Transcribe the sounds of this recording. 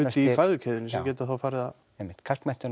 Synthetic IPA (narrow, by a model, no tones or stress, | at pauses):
ʏːifaðʏcʰɛːðɪnɪsmcɛːt̪aθawfaːɾɪða | emːɪ̥t̪kʰalk̪mɛn̥t̪ɪn